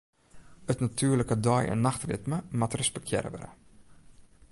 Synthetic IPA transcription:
ətnatʰyːrləkədɔjə̰nːaxtrɪtməmatrəspɛk̚tʰjɛ̰ɾə̰ʋə̰ɾə̰

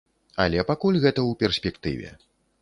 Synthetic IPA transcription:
ɐlʲɛpakulʲɣɛt̪ɐwpʲɛrsʲpʲɛkt̪ɨ̰vʲɛ̰

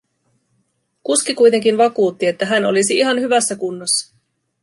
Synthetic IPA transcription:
kuskikujt̪e̞ŋk̟inʋɑkuːt̪ːie̞t̪ːæɦæno̞̰lisiiɦɑnhyʋæsːækunːosːɑ̥

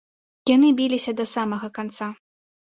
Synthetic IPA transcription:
janɨbʲilʲisʲɐd̪ɐsamɐɣɐkant̪sa

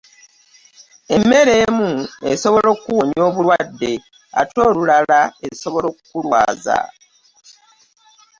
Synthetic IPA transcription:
e̞mːe̞ɾe̞ːmue̞̰so̞βo̞lo̞kuwo̞ɲjo̞ːβulwadːe̞ | a̰to̞ːlulalaeso̞βo̞lo̞kkulwa̰ːza̰

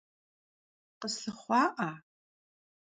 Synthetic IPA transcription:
qəsɬɨχʷɑːʔa

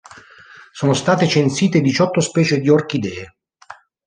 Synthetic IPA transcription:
soːnost̪aːt̪et͡ʃensiːt̪ed̪it͡ʃɔt̪ːospɛːt͡ʃed̪iork̟id̪ɛː

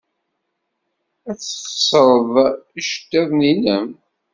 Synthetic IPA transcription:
æθsˤɾˤəðˤiʃt̪ːæðnilæm

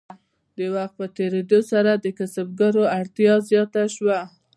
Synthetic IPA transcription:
d̪əwaxt̪̚pət̪eɾed̪osaɾad̪əkasab̚ɡaɾoaɽt̪jɑzjɑt̪aʃwa

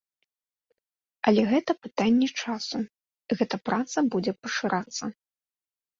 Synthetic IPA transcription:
ɐlʲɛɣɛt̪ɐpɨt̪anʲːɛt͡ʂasu | ɣɛt̪ɐpɾʔat̪sɐbud͡zʲɛpɐʂɨɾʔat̪sːɐ

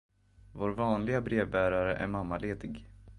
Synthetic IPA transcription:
voːɾvɑːnlɪɡabɾeːvbæːɾaɾəʔæ̰ɾmamːaleːd̪ɪɡ

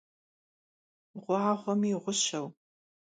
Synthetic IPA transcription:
ʁʷʊʕaːχʷɔmiːʁʷʊɕɐw

